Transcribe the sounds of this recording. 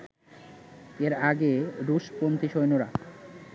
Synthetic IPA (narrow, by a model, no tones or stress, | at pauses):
eɾaɡeɾuʃpont̪ʰiʃojnoɾa